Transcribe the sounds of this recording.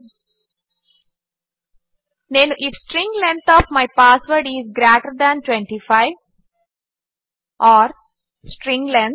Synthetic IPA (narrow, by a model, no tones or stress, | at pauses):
nẽnʔɪfsʈɾɪ̃ŋɡlɛ̃nt̪ʰɔːʋmaɪpaːsʋəɾɖizɡɾeːʈəɾd̪æ̃nʈwẽɳʈifaɪʋ | ʔɔːɾ | sʈɾɪ̃ŋɡlɛ̃nt̪̚